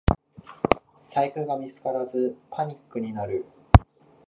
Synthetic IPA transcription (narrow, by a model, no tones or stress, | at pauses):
saihɯ̟ɡamʲit͡sɨ̥kaɾazɨpʰaɲ̟ikːɯ̟ɲ̟inaɾɯ̟